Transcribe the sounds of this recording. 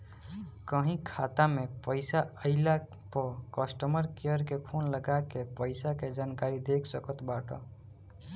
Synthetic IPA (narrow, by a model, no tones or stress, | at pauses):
kəɦĩkʰat̪amepəɪsaəɪla | pəkəsʈəməɾkejəɾkepʰonləɡakepəɪsaked͡ʒankaɾid̪ekʰsəkət̪baʈə̰